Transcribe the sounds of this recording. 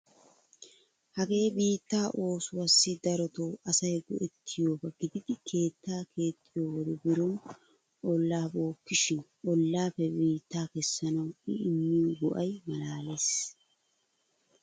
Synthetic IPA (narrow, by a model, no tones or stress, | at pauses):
hɐɡe̞ːbiːt̪ːaːʔo̞ːsʊwɐsːɪd̪ɐɾɔt̪ɔwʔɐsɐjɡɔʔɛt̪ːɪjoːbɐɡɪd̪ɪd̪ɪkʰe̞ːt̪ːaːkʰe̞ːt̪ʼːɪjowɔd̪ɛbɪɾɔn | ɔlːaːbo̞ːkːɪʃɪnʔɔlːaːfɛbiːt̪ːaːkɛsːɐnɐwɪ̰ɪmːiɡɔʔɐjmɐlaːle̞ːs